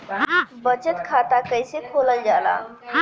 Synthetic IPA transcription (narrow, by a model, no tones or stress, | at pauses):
bət͡ʃət̪kʰat̪akəjsekʰoləld͡ʒala̰